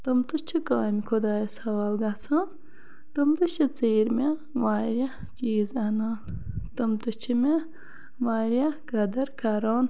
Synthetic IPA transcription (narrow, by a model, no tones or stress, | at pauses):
t̪ɐmt̪ut͡ʃʰukaːmikʰod̪aːjsɐʋaːlɡɐt͡sʰã | t̪ɐmt̪ut͡ʃʰit͡seːɾme | ʋaːɾʲɐ | t͡ʃiːzɐnaːnt̪ɐmt̪ut͡ʃʰime | ʋaːɾjakɐd̪ɐɾkaɾaːn